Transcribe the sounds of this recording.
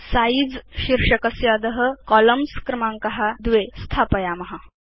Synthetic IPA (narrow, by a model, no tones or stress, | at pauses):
said͡zɕiɾʂəkəsjad̪əɦəkɔləmskɾəmaŋkɐɦad̪ʋest̪ʰapəjamɐɦa